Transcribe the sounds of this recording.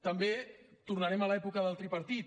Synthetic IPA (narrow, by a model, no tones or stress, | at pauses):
t̪əmbet̪urnaɾɛmalɛpukəðalˠt̪ɾipəɾt̪it̪